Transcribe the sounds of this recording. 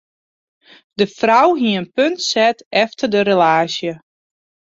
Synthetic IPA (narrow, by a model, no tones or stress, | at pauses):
dəfrawɦiəənpøntsɛtɛftərdəɾelaːsjə